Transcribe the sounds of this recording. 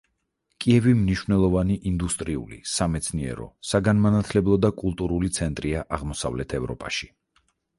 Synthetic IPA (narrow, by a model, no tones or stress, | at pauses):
kʼiɛvimniʃvnɛlˠɔvaniʔind̪ust̪ʼɾiṵlḭsamɛt̪sʰniɛ̰ɾɔ̰saɡanmanat̪ʰlɛblˠɔd̪akʼulˠt̪ʼuɾulit̪sʰɛnt̪ʼɾiaʔaʁmɔsa̰vlɛt̪ʰɛvɾɔ̰pʼa̰ʃi̥